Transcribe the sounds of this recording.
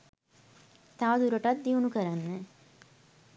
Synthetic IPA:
t̪aʋɐd̪uɾɐʈɐt̪̚d̪iʋunukɐɾanːə

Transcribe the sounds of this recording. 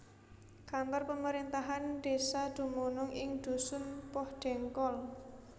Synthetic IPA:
kambarpəməɾint̪aɦanɖ̥esad̪̥ṳmunʊŋɪŋd̪̥ṳsʊnpɔhɖ̥ɛŋkɔl

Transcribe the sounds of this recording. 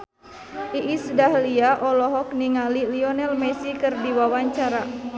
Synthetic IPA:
ʔiʔːsdahliaʔɔlɔɦɔk̚niŋaliliɔnɛlmɛsikɨrdiwawaɲt͡ʃaɾa

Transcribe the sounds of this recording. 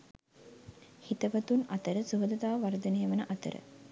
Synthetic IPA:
hit̪əʋɐt̪unɐt̪əɾəsuɦod̪ɐt̪aːʋɐɾd̪ɐnejəʋɐnəʔat̪ə̰ɾə̰

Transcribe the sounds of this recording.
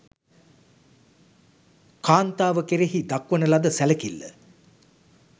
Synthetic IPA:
kaːnt̪aːʋəkeɾeɦid̪akʋənəlad̪əsæləkilːə̰

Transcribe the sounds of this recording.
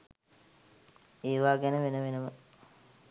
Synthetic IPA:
eːʋaːɡænəʋenəʋenəmə

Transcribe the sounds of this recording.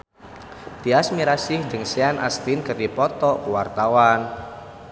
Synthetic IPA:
t̪iasmiɾasɪhd͡ʒɨŋseanʔa̰st̪inkərdipɔt̪ɔuwart̪awan

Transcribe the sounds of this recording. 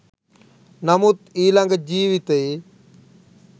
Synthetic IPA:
nəmut̪iːləŋɡd͡ʑiːʋit̪eː

